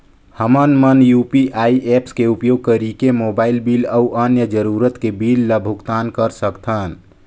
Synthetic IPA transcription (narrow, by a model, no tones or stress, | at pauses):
həmənmənjupiʔaiʔepskeupjoɡ̚kəɾikemobailbiləuʔənjəd͡ʒəɾuɾət̪kebilːəbʱukt̪ankəɾsəkt̪ʰən